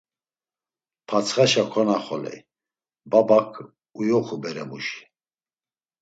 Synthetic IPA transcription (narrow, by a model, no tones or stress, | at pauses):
pʰat͡sʰχaʃakʰɔnaχɔlɛ̰ | babakʰ | ujɔχubɛɾɛmuʃi̥